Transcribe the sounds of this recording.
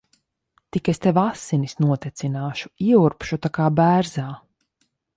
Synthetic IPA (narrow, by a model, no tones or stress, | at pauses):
t̪ikest̪evasːinisnuɔt̪ɛt̪sinaːʃu̥iɛuɾpʃut̪akaːbæːɾzaː